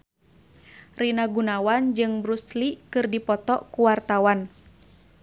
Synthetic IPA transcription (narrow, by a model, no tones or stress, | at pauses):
rinaɡunawand͡ʒɨŋbɾuslikɨrdipɔt̪ɔkuwart̪awan